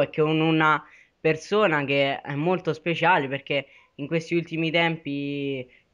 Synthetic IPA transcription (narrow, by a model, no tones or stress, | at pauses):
ɛkːeununa | persoːnak̟eɛ̰mːolt̪ospet͡ʃaːleperk̟e | iŋkwest̪iult̪imit̪ɛmpi